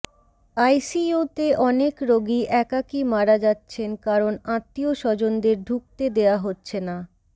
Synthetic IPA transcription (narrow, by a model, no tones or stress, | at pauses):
ajsiut̪eʔɔnekɾoɡiʔɛkakimaɾad͡ʑatːɕʰenkaɾonãt̪ːioʃɔd͡ʑond̪eɾɖʱuk̚t̪ed̪eaɦotːɕʰena